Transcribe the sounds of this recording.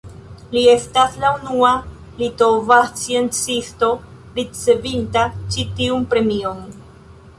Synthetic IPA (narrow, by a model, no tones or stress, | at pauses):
lie̞staslaunua | litovat͡sie̞nt͡sisto̞ | ɾit͡se̞vintat͡ʃitiunpɾe̞mio̞n